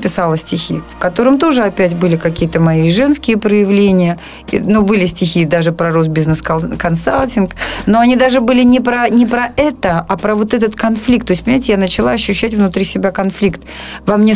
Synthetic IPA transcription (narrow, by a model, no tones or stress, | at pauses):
pʲɪsalˠəsʲtʲɪxʲifkɐt̪o̞ɾɨmt̪o̞ʐɨɐpʲætʲbɨlʲɪkɐkʲijət̪əmɐiʐɛnskʲɪjəpɾəjɪvlʲenʲɪjə | ḭnubɨlʲɪsʲtʲɪxʲid̪aʐɨpɾɐɾosbʲiznəskkɐnsalʲˠtʲɪnkno̞ɐnʲid̪aʐɨbɨlʲɪnʲɪpɾɐnʲɪpɾɐʔɛt̪əapɾəvo̞t̪ɛt̪̬ət̪kɐnflʲik̚t̪ːo̞ɪsʲtʲpənʲɪmaɪtʲɪjanət͡ɕɪlˠaɐɕːʉɕːætʲvnʊt̪ɾʲisʲɪbʲakɐnflʲikt̪vamnʲe